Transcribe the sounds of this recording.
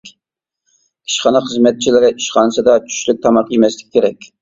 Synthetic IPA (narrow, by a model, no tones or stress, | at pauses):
i̥ʃχɑnɨχəzmɛt̪̚t͡ʃʰilɪɾɪʔiʃχɑnɨsɨd̪ɑt͡ʃʰy̥ʃlyk̚ʲt̪ʰɑmɑqjemɛslɪkʲi̥kʲʰeɾɛkʲ